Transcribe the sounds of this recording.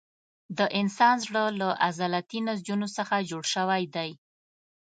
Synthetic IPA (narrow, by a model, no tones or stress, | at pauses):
d̪əʔɪnsɑnzɽəlaʔazalat̪inazd͡ʒunosəxad͡ʒoɽʃəwajd̪aj